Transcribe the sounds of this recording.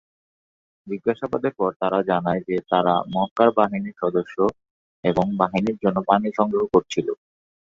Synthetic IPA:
d͡ʑiɡːaʃabad̪eɾpɔɾt̪aɾad͡ʑanaed͡ʑet̪aɾa̰mɔkaɾbaɦiniɾʃɔd̪oʃːo | eboŋbaɦiniɾd͡ʑonːopaniʃɔŋɡeokoɾt͡ɕʰilo

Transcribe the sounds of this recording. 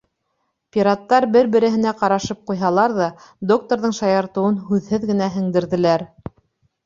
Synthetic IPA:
pʲiɾat̪ːɑɾbɘɾbɘ̆ɾɘ̆ɦɘ̆næqɑɾɑʃɤp̚qujɦɑlˠɑɾðɑd̪ok̚t̪oɾðɤɴʃɑjɑɾt̪ɤ̆wɤnɦʉðhɘðɡɘ̆næɦɘ̆ŋd̪ɘ̆ɾðɘ̆læɾ

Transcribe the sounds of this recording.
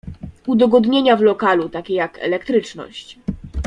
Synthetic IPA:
ud̪ɔɡɔd̪ɲeɲavlɔkalut̪akʲejakʰɛ̰lɛkt̪ɾɘt͡ʂnɔ̰ɕt͡ɕ

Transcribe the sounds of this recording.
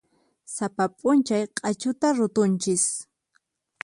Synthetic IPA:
sapapʼʊnt͡ʃajqʼɑt͡ʃʊt̪aɾʊt̪ʊnt͡ʃɪs

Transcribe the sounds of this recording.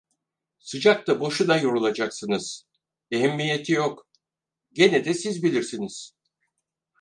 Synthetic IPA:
sɯd͡ʒak̚t̪abo̞ʃud̪ajo̞ɾulˠad͡ʒaksɯnɯz̥ | eɦɛmːije̞t̪ʰijok | ɟe̞nɛd̪ɛsizbilʲiɾsiniz̥

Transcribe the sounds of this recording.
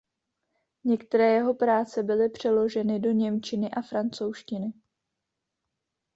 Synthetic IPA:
ɲɛkt̪ɛɾɛːjɛɦo̞pɾaːt͡sɛbɪlɪpr̝̥ɛlo̞ʒɛnɪdo̞ɲɛmt͡ʃɪnɪʔafɾant͡so̞wʃcɪnɪ

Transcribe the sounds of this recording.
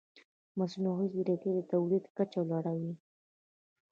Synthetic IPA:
masunoɣiziɾaked̪ət̪awlid̪kat͡ʃawlaɽawi

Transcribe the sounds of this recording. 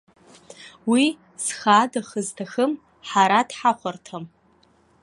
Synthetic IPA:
wi | sxadaχəztʰaxɨm | ħaɾadħaχʷartʰam

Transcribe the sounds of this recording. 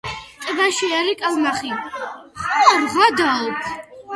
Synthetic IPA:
t̪ʼbaʃiaɾikʼalˠmaχiχɔaɾʁwad̪aɔpʰ

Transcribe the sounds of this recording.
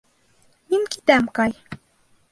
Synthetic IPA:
minkit̪æmkɑj

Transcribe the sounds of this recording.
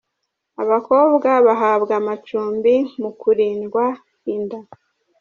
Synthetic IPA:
aβako̞ːβɡaβaɦaːbɡamat͡ʃuːmbimukuɾiːnɡwa | inda

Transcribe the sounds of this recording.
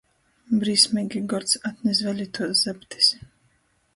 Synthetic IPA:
bɾiːsmʲɛːɡʲiɡɔɾt̪sat̪nɛs̬vɛlʲit̪uɔszɛpt̪ʰi̥s

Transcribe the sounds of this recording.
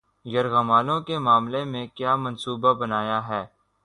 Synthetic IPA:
jɐɾɣɐmaːlõkemaːmlemẽkjaːmɐ̃nsuːbabɐnaːjaɦɛː

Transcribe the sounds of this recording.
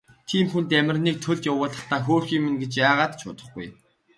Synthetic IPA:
t̪ʰiːmxunt̪æmʲɪ̆rniːk̚t̪ʰɵɮt̪jawʊːɮə̆χt̪ʰaːxoːrxiːmɘ̆nɡet͡ɕjaːʁaːt̪t͡ɕʰʊ̰ːt̪ə̆χɡṵj

